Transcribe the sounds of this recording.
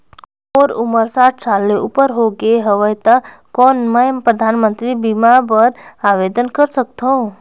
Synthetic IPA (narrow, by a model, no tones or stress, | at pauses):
oːɾuməɾsaʈ̚ʰsalːeʔupəɾɦoɡeɦəʋəjt̪a | kɔnməmpɾəd̪ʱanmənt̪ɾibimabəɾaʋed̪ənkəɾsək̚t̪ʰõ